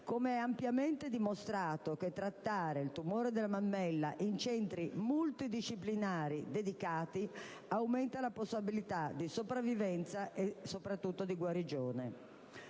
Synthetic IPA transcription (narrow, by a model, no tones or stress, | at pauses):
komeɛampjament̪ed̪imost̪ɾaːt̪ok̟et̪ːɾat̪ːaːɾelt̪umoːɾed̪elamamːɛlːa̰ʔint͡ʃɛnt̪ɾimult̪id̪iʃːiplinaːɾid̪ed̪ikaːt̪i | awmɛnt̪alaposːabilit̪ad̪isopɾavːivɛnt̪saʔesopɾat̪ːut̪ːod̪iɡwaɾid͡ʒoːne